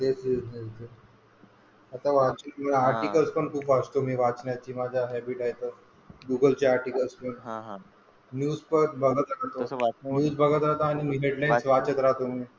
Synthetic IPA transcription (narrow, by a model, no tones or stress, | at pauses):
t̪esnit̪e | at̪aʋat͡ɕəməaɾʈikəlspəɳt̪uːfat͡st̪omiːʋat͡sɳjat͡ɕiːmad͡ʑʱaɦɛbiʈajt̪ə | ɡuɡəlt͡ɕeaɾʈikəlspəɳ | njuːspəɾbʱəɡət̪ɾat̪onəɽuːd͡zbʱəɡət̪ɾaɦt̪aːñimiːɦeɖlajsʋat͡ɕət̪ɾaɦt̪omi